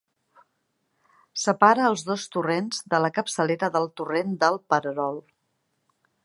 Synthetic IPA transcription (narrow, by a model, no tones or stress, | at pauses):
səpaɾəːlˠzðost̪urenzðələkəpsəleɾəðəlˠt̪urend̪əlˠpəɾəɾɔlˠ